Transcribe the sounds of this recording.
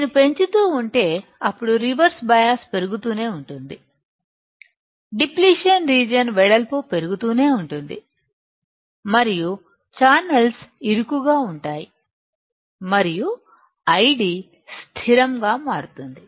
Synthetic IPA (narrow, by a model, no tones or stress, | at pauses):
nupe̞ɲt͡ʃut̪uːuɳʈe̞ːɐpːuɽuɾiʋɐɾsbɐjaːspe̞ɾuɡut̪uːne̞ːuɳʈund̪i | ɖipliːʂiɐnɾiːd͡ʒɐnʋɛɽɐlpoːpe̞ɾuɡut̪uːne̞ːuɳʈund̪i | mɐɾiju | t͡ʃaːnɐlsiɾukuɡaːuɳʈaːji | mɐɾiju | ɐjɖi | st̪ʰiɾɐmɡaːmaːɽut̪und̪i